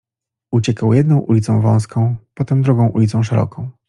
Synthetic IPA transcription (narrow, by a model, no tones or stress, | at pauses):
ut͡ɕɛkawjɛd̪nɔ̃w̃ʔulʲit̪sɔ̃w̃vɔ̰̃w̃skʰɔ̃w̃pɔt̪ɛmd̪ɾuɡɔ̃w̃ʔulʲit̪sɔ̃w̃ʂɛɾɔ̰kʰɔ̃w̃